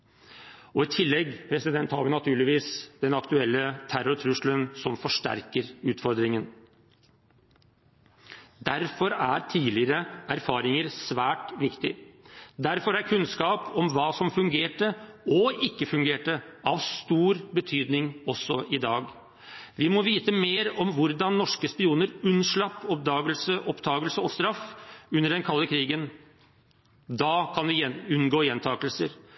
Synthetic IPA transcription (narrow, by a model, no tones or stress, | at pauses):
ɔɪt̪ʰɪlːɛɡːpʰɾɛsɪd̪ɛnt̪hɑʋɪnɑt̪ʰʉːɭɪʋiːsd̪̥ɛnɑkt̪ʉɛlːət̪ʰæɾʊɾt̪ʰɾʉʂlənsɔmfɔʂʈæ̰ɾkəɾʉːt̪fɔɾd̪ɾɪŋən | d̪æɾfɔɾæɾt̪ʰiːlɪɾəæɾfɑːɾɪŋəɾsʋæːʈʋɪkt̪ɪd̪æɾfɔɾæɾkʰʉnskɑːpɔmʋɑːsɔmfʉŋɡeːʈəɔɪkːəfʉŋɡeːʈəɑʋst̪uːɾbət̪ʰyːd̪nɪŋɔsːɔʔɪd̪ɑːɡ | ʋɪmɔʋiːt̪əmeːɾɔmʋʊɾd̪ɑnːɔʂkəspɪuːnəɾʉnʂɭɑpːɔp̚d̪ɑːɡəlsəʔɔpt̪ʰɑːɡəlsəɔst̪ɾɑfʉnːəɖɛnkʰɑlːəkʰɾiːɡən | d̪ɑːkʰɑnʋɪʉnɡoːjɛnt̪ʰɑːkəlsəɾ